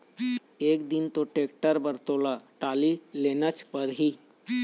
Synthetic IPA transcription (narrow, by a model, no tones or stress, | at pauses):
ekd̪int̪oʈekʈəɾbəɾt̪olaʈalilenət͡ʃpəɾɦi